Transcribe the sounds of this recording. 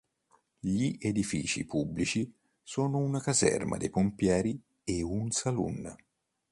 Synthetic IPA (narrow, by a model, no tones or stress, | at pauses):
ʎiʔed̪ifiːt͡ʃḭpʰubːlit͡ʃi | sɔːnʊunakazɛ̰rmʔa̰d̪epompjɛːɾi | eunsalṵnː